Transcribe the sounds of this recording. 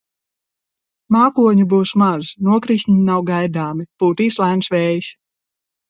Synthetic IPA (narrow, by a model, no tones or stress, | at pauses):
maːkuɔɲubuːsmaznuɔkɾiʃɲinawɡajd̪aːmipuːt̪iːslˠajnsvɛːjisʲ